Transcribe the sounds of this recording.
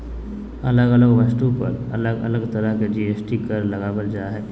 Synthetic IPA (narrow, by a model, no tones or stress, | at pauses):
ə̰ləɡələɡʋasʈ̪upə̰ɾə̰ləɡə̰ləɡt̪əɾəked͡ʒiesʈikəɾləɡaʋəld͡ʒaɦɛ